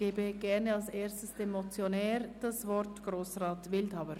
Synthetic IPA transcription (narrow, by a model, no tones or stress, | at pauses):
eːbəɡ̥ɛʁnəalseːɐstəsd̥emot͡sjonɛːɾd̥asvɔɾtɡ̥ʁoːsraːtvɪldhaʊəɾ